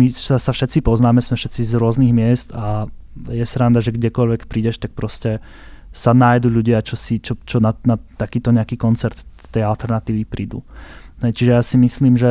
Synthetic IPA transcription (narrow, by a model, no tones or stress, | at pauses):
misasafʃɛt͡sipɔznaːmɛsmɛfʃɛt͡sizɾʊɔzniɣmɪɛst̪ajɛsɾand̪aʒɛɡɟɛkɔʎʋɛkpɾiːɟɛʃt̪ak̚pɾɔscɛ | sanaːjd̪uːʎuɟɪat͡ʃɔsit͡ʃɔt͡ʃɔnanat̪ːakiːt̪ɔɲɛakiːkɔnt͡sɛɾt̪ | t̪ɛjalt̪ɛɾnat̪iːʋipɾiːd̪ṵɦɛjt͡ʃiʒɛjaːsimisliːmʒɛ